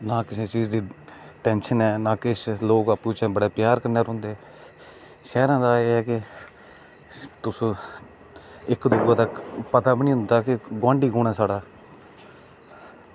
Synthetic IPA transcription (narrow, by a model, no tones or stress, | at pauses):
naːkɪsẽːt͡ʃiːd͡ʒd̪iːʈɛːnʃənɛːnãːkɪʃloːkapuːt͡ʃẽːbəɽaːpjaːɾkəɾnaːɾõːnd̪eː | ʃɛːɾãːd̪aːeːɦɛːkɪ | t̪ʊs | ɪkd̪uːãːd̪aːpət̪aːbənĩːɦʊ̃nd̪aːkɪɡwãːɳɖiːkoːɽɛːsaːɽaː